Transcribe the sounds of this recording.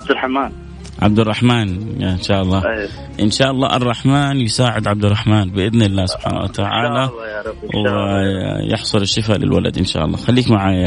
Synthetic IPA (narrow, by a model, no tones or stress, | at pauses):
b̚d̪ɪlħamaːn | ʕa̰b̚d̪ɑrˤːɑħmaːnnʃaːʔɑlˤːɑː | ʔɪnʃaːʔɑlˤːɑ̰ːʔɑrˤːɑħmaːnjɪsaːʕɪd̪ʕab̚d̪ɪrˤɑħmaːnbɪʔɪðnɪlːaːsʊb̥ħa̰ːna̰wa̰t̪aʕa̰ːla | w | jɪ̰ħsˤʊɾɪʃːɪfalɪ̰lwala̰d̪ʔɪnʃa̰ːʔɑ̰lˤːɑ̰ːxalːiːkmaʕaːja